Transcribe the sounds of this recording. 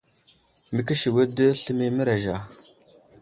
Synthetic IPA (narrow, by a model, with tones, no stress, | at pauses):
mə˨k̬i˦ʃi˨wə˦də˦ɬə˦mi˦mə˦ɾa˨ʒa˨